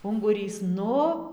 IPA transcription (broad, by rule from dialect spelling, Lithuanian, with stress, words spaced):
ʊŋɡʊˈrʲiːs ˈnʊ